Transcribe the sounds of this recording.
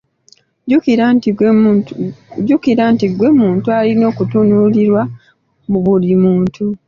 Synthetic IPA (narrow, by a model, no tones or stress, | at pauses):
ukiɾanti | ɟukiɾantiɡweːmuːntualino̞ːkutunuliɾwa | muβulimuːntʰu